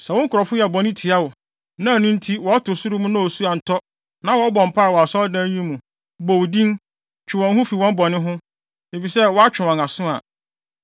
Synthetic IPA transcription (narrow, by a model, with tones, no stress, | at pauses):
sɛ˨wʊ̃˦ŋ̩˦kʰʊ˨ɾɔ˨fʊ˦jɛ˨bɔ˨nɪ̃˦tʰɪ˨a˦wʊ˨ | nã˦˨nʊ̃˦n̩˦tʰi˦wɔ˨ɔ˦tʰʊ˨sʊ˦ɾʊ˦mũ˦nã˦o˨su˦a˨n̩˨tʰɔ˦ | nã˦wɔ˦bɔ̃˨m̩˨pʰa˦a˨wɔ˨a˨sɔ˦dã˦ɲĩ˦mũ˨ | bɔ˨wu˨dĩ˦n | t͡ɕʰᶣɪ˨wɔ̃˨nɦʊ̃˦fi˨wɔ̃˦m˦bɔ˨nɪ̃˦ɦʊ̃˦ | e˨fi˨sɛ˦wɔ˦a˦t͡ɕᶣɪ˨wɔ̃˨na˨sʊ̃˦a̰˨